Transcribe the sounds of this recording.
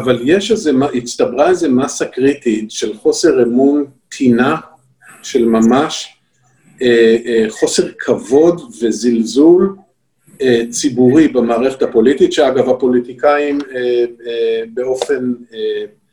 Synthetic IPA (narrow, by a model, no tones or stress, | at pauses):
avaljeʃezemaʔist̪abʁaeze̞masakʁit̪itʃe̞lχo̞seʁemuntʰina | ʃe̞lmamaʃ | eχo̞se̞ʁkʰavo̞d̪ve̞zilzul | et͡sibuʁibamaːʁeχe̞thapo̞lit̪it̪ʃeaɡavapo̞lit̪ikaimeebe̞o̞fe̞ne